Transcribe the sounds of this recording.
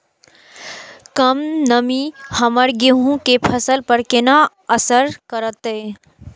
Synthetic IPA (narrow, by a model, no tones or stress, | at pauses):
kəmnəmihəməɾɡeɦũkepʰəsəlpəɾkɪna | əsəɾkəɾət̪e